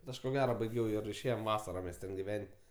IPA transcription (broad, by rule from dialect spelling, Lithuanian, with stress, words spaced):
bʲɛt ˈɐʃ koː ˈɡʲæːrɐ bɐɪˈɡʲɛʊ ɪr ɪʃʲˈeːjoːm ˈʋɑːsɐrɐ mʲɛs ˈtʲɛn ɡʲɪˈʋʲɛnʲtʲ